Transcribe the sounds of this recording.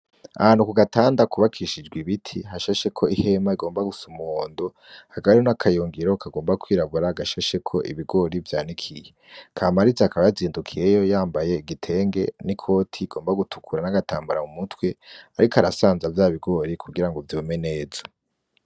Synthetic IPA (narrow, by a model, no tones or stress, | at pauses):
a̰haːn̥ukuɡataːndakuβakʰiʃid͡ʒɡwiβitʰiɦaʃaʃe̞kʰo̞ihe̞maiɡo̞ːmbaɡusumuhoːndo̞ | haɡaβɾonakʰajoŋɡiɾo̞kʰaɡo̞ːmbakwiːɾaβuɾaːɡaʃaʃe̞kʰo̞ʔḭβiɡo̞ɾivjaːnikʰije̞ | kʰamaɾizaakʰaβajaziːndukʰije̞jo̞jaːmbaje̞iɡitʰe̞ːŋɡe̞̰nikʰo̞ːtʰiːɡ̥o̞ːmbaɡutʰu̥kʰuɾanaɡataːmbaɾamumutwe̞aɾikaɾasaːnzavjaːβiɡo̞ɾikʰuɡiɾaŋɡo̞vjoːme̞ne̞ːzo